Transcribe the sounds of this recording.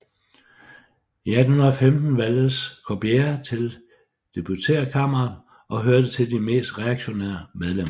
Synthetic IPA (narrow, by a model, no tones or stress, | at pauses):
iæd̥n̩hunɐðˠfemd̥n̩ʋæld̥əskʰob̥ieɐt͡sʰe̝l | d̥e̝b̥ut͡sʰe̝̰ːɐkʰɑ̈m̰ɐɐn | ʔɒ̽ɦøɐd̥ət͡sʰe̝ld̥ime̝̰ːsd̥ʁɛɑ̈ɡ̥ɕo̝nḛːɐmeð̞ˠlem̰ɐ